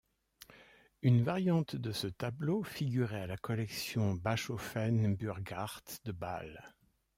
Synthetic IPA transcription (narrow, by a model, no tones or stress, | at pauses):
ynvaʁjɑ̃t̪d̪əsət̪ablofiɡʲyʁɛalakɔlɛksjɔ̃baʃofɛnbyʁɡaʁt̪d̪əba̰l